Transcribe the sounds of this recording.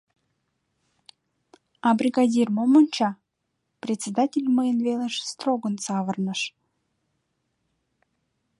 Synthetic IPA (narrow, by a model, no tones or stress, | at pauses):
ɑbɾʲiɡadʲirmomənʲt͡ɕɑ | prʲetʲt͡sʲed̪atʲelʲməjənvʲelˠəʃst̪roɡə̆nsɑvərnə̆ʃ